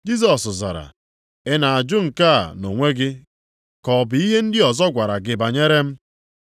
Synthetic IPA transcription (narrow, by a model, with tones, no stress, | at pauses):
d͡ʒi˦s̬ɔ˨sza̰˨ɾa̰˨ | ɪ˦na˨a˨d͡ʒʊ˦ŋ̩˨ka˦˨no˨ŋʷe˦ɡɪ˦ | kɔ˨bɪ˨˦i˦ɦe˦n̩˦dɪ˦ɔ˨zɔ˦ɡʷa˨ɾa˨ɡɪ˨ba˨ɲe˦ɾe˦m̩˦